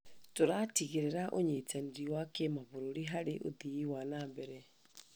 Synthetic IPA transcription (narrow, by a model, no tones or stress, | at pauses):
toɾatiɣeɾeɾaʔoɲetaneɾiwakemaβoɾoɾeɦaɾeʔo̰ðiwanabɛɾɛ